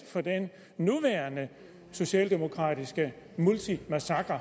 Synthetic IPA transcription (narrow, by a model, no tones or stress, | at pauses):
fɒ̽d̥enː | uʋæɐnə | so̝ɕɛ̰ːld̥e̝mo̝kʰʁɑ̈ːdisɡ̥ə | mult͡sʰimæsɑ̈ɡ̥ʁɐ